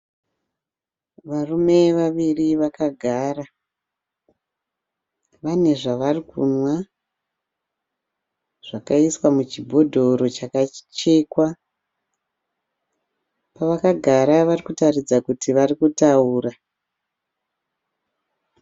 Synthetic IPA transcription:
ʋarume̞ʋaʋiriʋakaɡʱaːra | ʋane̞ʐaʋarikṵnwa | ʐ̥akaiswamut͡ʃibʱo̞dʱo̞ɾo̞t͡ʃakat͡ʃe̞ːkwa | paʋakaɡʱaɾaʋarikutarid͡zakutiʋarikutauːra

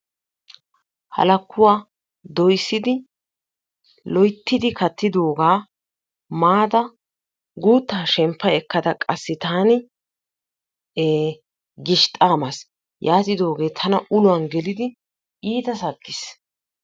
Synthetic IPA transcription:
hɐ̰lɐkːʊwaː | d̪ɔjsːɪd̪ɪ | lɔjt̪ːɪd̪ɪkɐt̪ːɪd̪o̞ːɡaː | maːd̪ɐ | ɡuːt̪ːaːʃɛmpːɐjɛkːɐd̪ɐkʼɐsːɪt̪aːnɪ | ɡɪʃt̪ʼaːmɐs | jʔaːt̪ɪd̪o̞ːɡe̞ːt̪ʰɐnɐʊlʊwɐnɡɛlɪd̪ɪ | iːt̪ɐsɐkʼːɪs

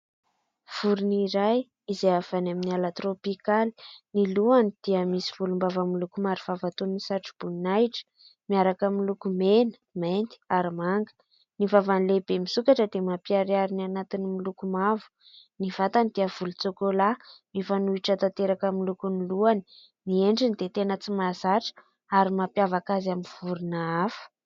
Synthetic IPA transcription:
v̥uɾuniɾaj | izeav̥anaminialat̪ropikali̥niluanid̪̥iəmisi̥v̥ulumbavamilukumaɾiv̥avat̪unnisaʈ͡ʂi̥b̥unnajʈ͡ʂə̥ | miaɾakamilukumenə̥ment̪i̥aɾimaŋɡə̥ | nivavanilebemisukaʈ͡ʂəd̪emapiaɾiaɾinanat̪inimilukumavu̥ | nivat̪and̪iəv̥ulut͡sokolamifanuiʈ͡ʂat̪at̪eɾakamilukuniluani̥ | mieɳɖ͡ʐinid̪et̪enət͡simazaʈ͡ʂə̥ | aɾimapjavakazaminv̥uɾunaafə̥

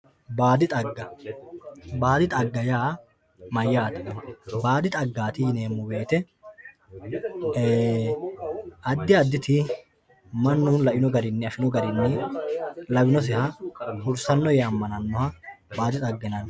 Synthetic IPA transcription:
baːd̪ɪt̪ʼɐɡːɐ | baːd̪ɪt̪ʼɐɡːɐjaː | mɐjːaːt̪ɐ̥baːd̪ɪt̪ʼɐɡːaːt̪ɪne̞ːmːʊbe̞ːt̪ɛ | ɐd̪ːɪɐd̪ːɪt̪ɪ | mɐnːʊnlɐʔɪnɔɡɐɾɪnːɛɐfɪnɔɡɐɾɪnːɛ | lɐbɪnɔs̬ɪhɐhʊɾsɐnːɔjɛɐmːɐnɐnːɔhɐbaːd̪ɪt̪ʼɐɡːɛnɐn

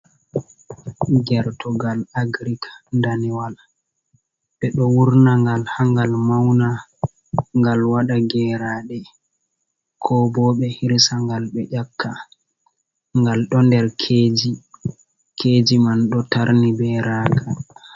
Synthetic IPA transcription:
ɡɛɾtɔɡalaɡɾikʰḁndaniwal | ɓɛɗɔwuɾnaŋɡalhaŋɡalmawna | ŋɡalwaɗaɡɛːɾaːɗɛ | kʰɔbɔɓɛhiɾsaŋɡalɓɛʔakʰːa | ŋɡalɗɔndɛɾkʰeːd͡ʒi | kʰeːd͡ʒimanɗɔtaɾnibɛɾaːkʰa

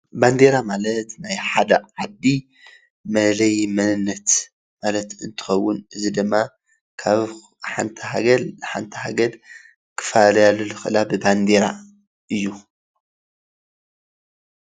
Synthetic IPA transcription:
band̪eɾamalɐt̪najħad̪ɐʕad̪ːi | mɐlɐjmɐnɨnːɐt̪ | malɐt̪ɨnt̪ʰɨ̥xɐwːʊnɨzid̪ɨmːa | kʰaβ | ħa̰nt̪ʰɐɦaɡɐlħant̪ʰɐhaɡɐd | kʰɨ̥falɐjalːulɨxɨɨlabɨband̪eɾa̰ | ɨjːu

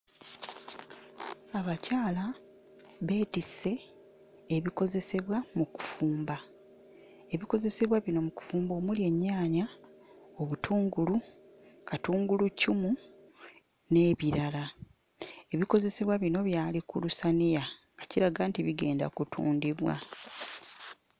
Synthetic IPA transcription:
aβacaːla | βe̞ːtise̞ː | βiko̞ze̞se̞βwamuku̥fuːmba | e̞βiko̞ze̞se̞βwaβino̞muku̥fuːmbo̞ːmulje̞ɲːaːɲa | o̞βutʰuːŋɡulu | katuːŋɡulucumu | ne̞ːβiɾala | e̞βiko̞ze̞se̞βwaβino̞βjaːlikulusanija | ɡaciɾaɡaːntiβiɡe̞̰ːnda̰kutʰṵːndiβwa̰

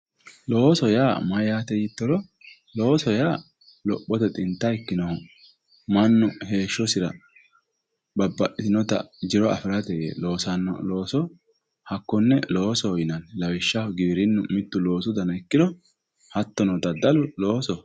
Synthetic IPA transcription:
lo̞ːsɔjaːmɐjaːt̪ɛjɪt̪ːɔlɔ | lo̞ːsɔjaː | lɔpʼːɔt̪ɛt̪ʼɪnt̪ːɐɪkːɪnɔhɔ | mɐnːʊhe̞ːʃːɔsɪɾɐ̰ | bɐbːɐʔɪnɔt̪ɐ̰d͡ʒɪɾɔɐ̰fɪɾɐt̪ɛjḛːlo̞ːsɐnːɔ̰lo̞ːsɔ | hɐkːɔnːɛlo̞ːsɔːjɪnɐnlɐwɪʃːɐhɡɪbɾɪnːʊmɪt̪ːʊlo̞ːsʊd̪ɐnɐɪkːɪd̪ɔ | hɐt̪ːɔnɔt̪ɐd̪ɐlʊlo̞ːsɔ

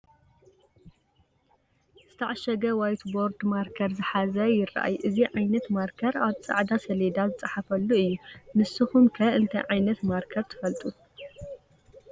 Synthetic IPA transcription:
z̥ɨt̪ʰɐʕaʃɐɡɐwajt̪bo̞ɾd̪maɾkʰɐɾzɨħazɐjɪrɐ̰ʔa̰jʔɨziʕajnɐt̪maɾkʰɐɾaβt͡sʼa̰ʕd̪asɐled̪azɨt͡sʼɐħafɐlːuɨjːumɨsɨxumkʰɐʔɨnt̪ʰɐ̰jʕajnɐt̪maɾkʰɐɾt̪ʰɨ̥fɐlt̪ʼu

